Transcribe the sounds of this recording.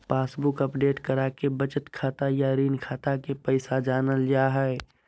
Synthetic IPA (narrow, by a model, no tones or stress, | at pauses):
paːsbukəpɖeːʈkəɾakebət͡ʃət̪kʰaːt̪ajaɾiːnkʰaːt̪akepəɪsad͡ʒaːnəld͡ʒaɦɛe